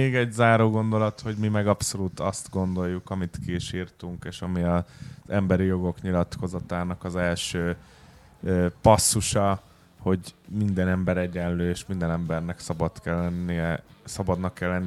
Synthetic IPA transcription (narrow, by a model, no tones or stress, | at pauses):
eːɡɛɟzaːɾoːɡo̞nd̪o̞lɒt̪ho̞ɟmimɛɡɒpso̞lut̪ɒst̪ɡo̞nd̪o̞jːukɒmit̪kiːʃirt̪uŋkeːʃɒmiɒzɛmbɛɾijo̞ɡo̞kɲilɒt̪kʰo̞zɒt̪aːnɒkɒzɛlʃøː | øːpɒsːuʃɒ | ho̞ɟmind̪ɛnɛmbɛɾɛɟɛnløːeːʃmind̪ɛnɛmbɛrnɛksɒbɒt̪kɛlːɛnːiɛsɒbɒd̪nɒkːɛlːɛnː